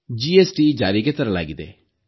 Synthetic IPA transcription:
d͡ʒiːɛːsʈid͡ʒaːɾiket̪əɾãla̰ːɡid̪ḛː

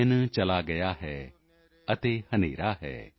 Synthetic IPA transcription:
ənt͡ʃɐlaɡɐjaɦɛː | ɐt̪ehɐnḛːɾaɦɛ̰ː

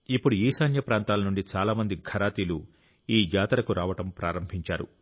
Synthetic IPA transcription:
ipːuɽuiːsaːnjɐpɾaːnt̪aːlɐnuɳɖit͡ʃaːlaːmɐnd̪iɡʱɐɾaːt̪iːlu | iːd͡ʒaːt̪ɐɾɐkuɾaːʋɐʈɐmpɾʔaːɾɐmbʱiɲt͡ʃaːɾṵ

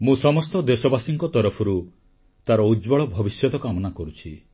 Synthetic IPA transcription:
mũsɔmɔst̪ɔd̪esɔbasiŋkɔt̪ɔɾɔpʰɔɾu | t̪aɾɔud͡ʒbɔɭɔbʱɔbisjɔt̪ɔkamɔnakɔɾut͡ʃʰi

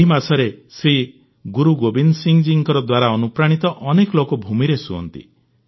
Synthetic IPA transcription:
ɦimasɔɾesɾi | ɡuɾuɡobinsiŋd͡ʒiŋkɔɾɔd̪waɾaɔnupɾaɽ̃it̪ɔʔɔnekɔlokobʱumiɾesuɔ̰nt̪ḭ

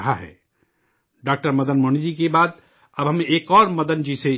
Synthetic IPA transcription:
ɦaɦɛ̰ː | ɖaːk̚ʈəɾmɐd̪ənmoːnid͡ʒikebaːd̪ | ɐbɦɐmẽʔeːkɔːɾmɐd̪ənd͡ʒise

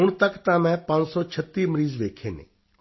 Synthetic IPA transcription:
ʊɳ̃t̪əkt̪ãmɛ̃ːpãːnt͡ʃsɔt͡ʃʰət̪ːiːməɾiːzʋeːkʰeːnḛ̃ː

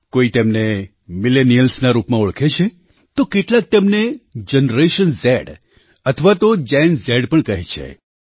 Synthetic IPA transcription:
koit̪emne | milenijəlsnaɾupmãʊɭkʰet͡ʃʰe | t̪okeʈlak̚t̪emned͡ʒənɾeʃənsɛɽ | ət̪ʰəʋat̪od͡ʒɛjnzɛɖpəɳkəɦet͡ʃʰḛ

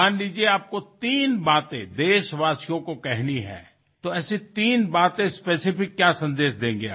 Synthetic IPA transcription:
aːnliːd͡ʒieaːp̚kot̪iːnbaːt̪ḛ̃d̪eːʃʋaːsijõkokɛɦniɦɛ̰̃ː | t̪oɛːsit̪iːnbaːt̪ẽspeːsɪfɪkːjaːsɐ̃nd̪eːʃd̪ẽːŋɡeaː

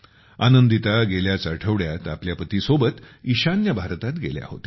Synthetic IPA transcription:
anənd̪it̪aɡeljat͡səɾʈʰəʋɽjat̪apljapət̪iːsobət̪iɕanjəbʱaɾt̪at̪ɡelja̰ho̰t̪e̥

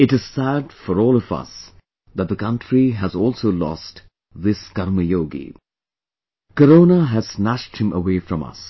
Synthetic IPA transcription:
ɪʈɨz̥sæɖfɔɾɔːlɔvʌ̰s | ðæt̚d̪əkʌ̃nʈɹiɦæzɔːlˠsoːlɔ̰sʈ | ðɪsɡ̥ʌɾməjoːɡḭ | kəɾoːnəɦæz̥næʃʈ̚hɪ̃mʔə̰weːfɾɔ̃mʌ̰s

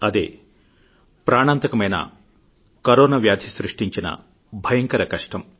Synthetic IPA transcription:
ɐd̪ḛː | pɾaːɳaːnt̪ɐkɐmɐjnɐ̰ | kɐɾoːnɐʋjaːd̪ʱisɾiʂʈiɲt͡ʃinɐ̰ | bʱɐjɐŋkɐɾɐkɐʂʈɐm

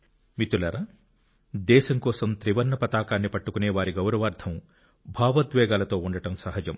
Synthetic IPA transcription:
mit̪ulɐɾɐ | d̪ɛːʃɐŋkɔːsɐmt̪ɾiʋɐnːɐpɐt̪aːkaːnːipɐʈːukuneːʋaːɾiɡɐwɾɐʋaːɾd̪ʰʱɐm | bʱaːʋɐd̪ʋɛːɡaːlɐt̪o̞ːuɳɖɐʈɐmsɐɦɐd͡ʒɐm

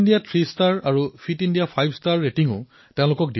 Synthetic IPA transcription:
ndiatʰɹistaɹaɹufpʰitindijapʰajbstaɹːetiŋʊ̰ | teʊ̃lʊkɔk̚di

